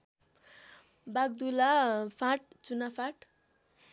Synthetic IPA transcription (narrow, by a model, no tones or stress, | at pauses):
baɡ̚d̪ulapʰãʈ̚t͡sunapʰaʈ